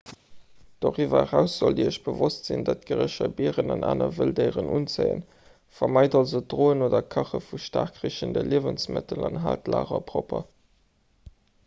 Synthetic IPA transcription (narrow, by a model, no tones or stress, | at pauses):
d̥oːʁivɐʁæʊsz̥oldiəɕb̥əvostz̥indɑt̚ɡ̥əʁəɕɐbiəʁənɑnʔaːnɐvəldəɪʁənʔunt͡səɪə̰n | fɐmɑɪdɑlzədʁoːənoːdɐkʰɑχəfuʃtaːʁkʁiɕəndəlʔiəvənsmətʰəlɑnɦaːltla̰ːʁɐpʁopɐ